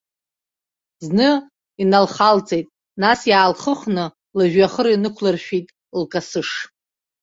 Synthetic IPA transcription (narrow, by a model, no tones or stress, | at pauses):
znɨ | inalχalt͡sʼejtʼ | nasjaːlχəχnɨ | laʒᶣaχərinɨkʷʰlɨrʃᶣitʼ | lkʼasɨʂ